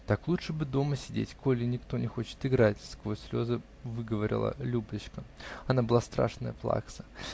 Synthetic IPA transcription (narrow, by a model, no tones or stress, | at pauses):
t̪aklˠutʂɨbɨd̪o̞məsʲɪdʲḛtʲko̞lʲɪnʲɪkt̪o̞nʲɪxo̞t͡ɕɪ̥t̪ɪɡɾatʲɪ̥skvojsʲlʲo̞zə | vɨɡəvəɾʲɪ̰lˠə̰lʲub̪ɨt͡ɕkəɐnabɨlˠast̪ɾa̰ʂnəjəplˠa̰ksə̥